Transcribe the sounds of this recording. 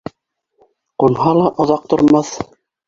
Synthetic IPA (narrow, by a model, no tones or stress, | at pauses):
qunhɑlˠɑʔŏðɑq̚t̪ŏɾmɑθ